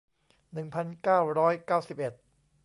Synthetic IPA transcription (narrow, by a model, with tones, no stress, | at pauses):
nɯ˨˩ŋpʰa˨˩nkaː˥˩wɾɔː˦˥jkaː˥˩wsi˨˩p̚ʔe˨˩t̪̚